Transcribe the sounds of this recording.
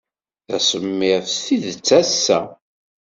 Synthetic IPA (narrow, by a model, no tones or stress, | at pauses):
θæ̰səmːɪʁfθiðt͡sːæsːæ